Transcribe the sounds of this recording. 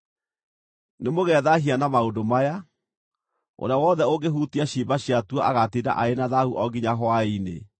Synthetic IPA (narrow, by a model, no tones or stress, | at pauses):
nemoɣɛðaɦianamaondomaja | o̰ɾawɔðɛoɡeɦutiaɕiːmbaɕjatuɔaɣatida̰ʔaenaðahuʔɔɡiɲaɦɔwainḛ